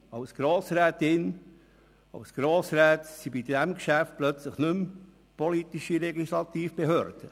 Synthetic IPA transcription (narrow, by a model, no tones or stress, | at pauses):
ɑwsɡ̥ɾoːsɾɛːt̪ɪn | ɑ̰wsɡ̥ɾoːsɾɛːt̪sibidæmkʃæft̚plœt͡sləχnʏm | pɔlit̪iʃiɾɛɡisɾɑt̪iːfb̥eɦøːɾd̪̥ə